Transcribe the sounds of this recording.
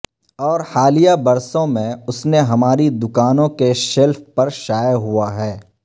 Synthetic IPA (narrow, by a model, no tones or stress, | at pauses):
ɔːɾhaːlijabɐɾsõmẽʊsneɦɐmaːɾid̪ʊkaːnõkeʃɛlfpɐɾʃaːjəɦuaɦɛː